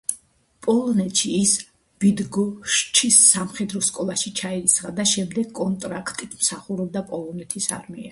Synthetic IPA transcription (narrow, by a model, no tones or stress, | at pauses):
pʼɔlˠɔnɛt̪ʃiːs | b̥id̪ɡɔʃt͡ʃʰisːamχɛd̪ɾɔskʼɔlˠaʃit͡ʃʰaɛisʁad̪aʃɛmd̪ɛɡkʼɔnt̪ʼɾakʰt̪ʼit̪ʰmsaχuɾɔb̚d̪apʼɔlˠɔnɛt̪ʰisa̰ɾmiɛ